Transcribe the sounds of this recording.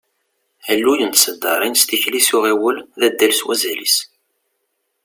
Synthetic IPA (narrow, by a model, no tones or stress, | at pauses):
ælːujənt̪səd̪ːɑɾˤinst̪içlisʊʁiwəlðæd̪ːælswæzælḭs